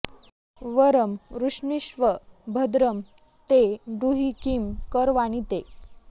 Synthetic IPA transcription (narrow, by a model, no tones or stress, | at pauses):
ʋəɾəmɾuʂniɕʋəbʱəd̪ɾəm | t̪edɾuɦikimkəɾʋañit̪e